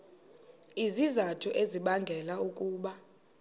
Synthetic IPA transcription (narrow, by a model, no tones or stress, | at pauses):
izizatʰuʔeziɓaŋɡʱɛlaukʼuːɓa